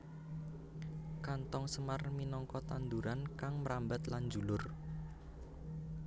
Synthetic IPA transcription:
kant̪ɔŋsəmarminɔŋkɔt̪and̪uɾankaŋməɾambɛt̪land͡ʒulʊr

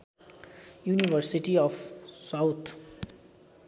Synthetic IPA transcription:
junibʌɾsiʈiʌfsawt̪ʰ

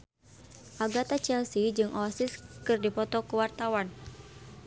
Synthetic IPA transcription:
ʔaɡat̪at͡ʃɛlsid͡ʒɨŋʔɔasɪskɨrdipɔt̪ɔkuwart̪awan

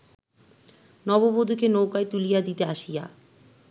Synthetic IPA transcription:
nɔbobod̪ʱukenowkaet̪ulijad̪it̪eaʃija̰

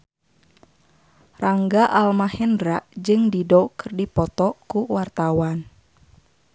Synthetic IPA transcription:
raŋɡaʔalmahɛndɾaʔd͡ʒɨŋdidɔkɨrdipɔt̪ɔkuwart̪awan

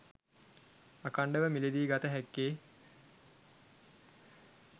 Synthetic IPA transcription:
akaɳɖəʋəmiled̪iːɡat̪əɦækːeː

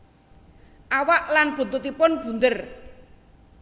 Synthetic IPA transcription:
ʔawaʔlanb̥o̤t̪ot̪ipʊnb̥ṳnd̪ər

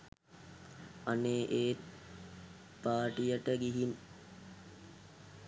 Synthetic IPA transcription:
aneːʔeː | paːʈijəʈəɡiɦin

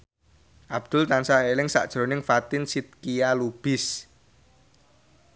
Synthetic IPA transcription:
ʔab̥̚d̪̥ʊlt̪ansaelɪŋsa̰ʔd̥ʒ̥ɾo̤nɪŋfat̪ɪnsit̪̚kijalub̥ɪs

